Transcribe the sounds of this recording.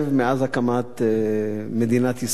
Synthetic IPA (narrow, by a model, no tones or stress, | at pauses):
vmeazakamat̪ | med̪inat̪his